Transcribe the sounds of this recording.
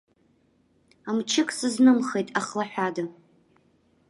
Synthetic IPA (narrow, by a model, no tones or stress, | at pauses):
amt͡ʃʰɪkʼsɨznɨmχejtʼaχlaħʷᶣada